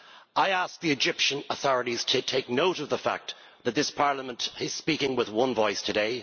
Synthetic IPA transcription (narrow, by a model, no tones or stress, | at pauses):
ʔaɪask̚ðiɨd͡ʒɪpʃə̃nəθɔɹɨɾiz̥tʰɨtʰeɪk̚noʊɾʌvðəfa̰k̚t̪ | ðɨt̪̚ðɪspʰɑɹləmə̃ntɪz̥spikɪ̃ŋwɪðwʌ̃nvɔɪstʰɨdeɪ